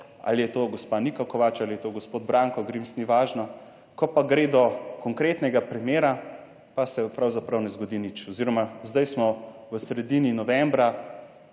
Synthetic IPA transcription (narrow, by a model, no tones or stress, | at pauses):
a̰lijɛt̪oɡɔspanikɔkɔʋat͡ʃalijɛt̪oɡospoːd̪̚bɾaŋkɔɡɾimsniʋaːʒnɔ | kɔpaɡɾeːd̪ɔkɔŋkɾeːt̪nɛɡapɾimjeːɾa | pasɛpɾawzapɾawnɛzɡɔd̪init͡ʃɔziɾɔmazd̪ajsmɔʋəsɾɛd̪ininɔʋɛmbɾa